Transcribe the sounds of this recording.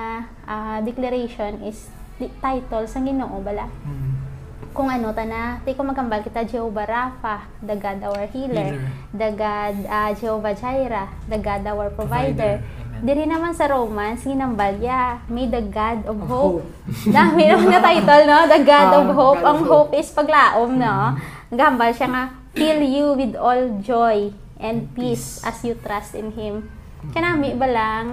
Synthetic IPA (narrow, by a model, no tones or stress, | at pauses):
ʔad̪ɛklɐɾejʃonʔɪs | t̪ajt̪olsɐŋɡɪnoʔobɐla | kʊŋʔɐno̞t̪ɐnat̪ikomɐɡɐmbalkɪt̪ad͡ʒɛobɐɾafɐ | d̪ɐɡad̪ʔawɛɹhilɛɹ | d̪ɐɡad̪ɐd͡ʒɛovɐd͡ʒajɾɐ | d̪ɐɡad̪awɛɹpɹovajd̪ɛɹ | d̪ɪɾinɐmansɐɾowmansɡɪnɐmbaljamɐjd̪ɐɡad̪ɔvhowp̚ | d̪amɪnɐmanːɐt̪ajt̪ɐlnod̪ɐɡad̪ɔvɦowpɐŋhowpʔɪspɐɡlaːʔomnonɐɡahɐmbɐlʃaŋa | filjuwɪd̪old͡ʒoj | ʔɛ̃nd̪̚pisʔɐsjut̪ɾast̪ɪnɦɪm | kɐnamɪbɐlaŋ